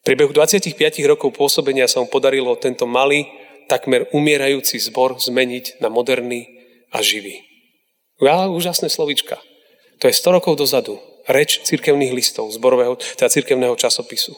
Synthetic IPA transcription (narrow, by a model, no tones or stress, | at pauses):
fpɾɛbɛɦud̪ʋat͡sɪacixpɪaciɣɾɔkɔʊpʊɔsɔbɛɲɪasamupɔd̪aɾilɔt̪ɛnt̪ɔmaliː | t̪akmɛɾumɪɛɾajuːt͡sizbɔɾzmɛɲiɟnamɔd̪ɛɾni | a̰ʒiʋiː | auːʒasnɛːslɔʋit͡ʃka̰ | t̪ɔjɛst̪ɔɾɔkɔʊd̪ɔzad̪u | ɾɛt͡ʃt͡siɾkɛʊniːɣlist̪ɔʊzbɔɾɔʋɛːɦɔt̪ɛd̪at͡siɾkɛʊnɛːɦɔt͡ʃasɔpisu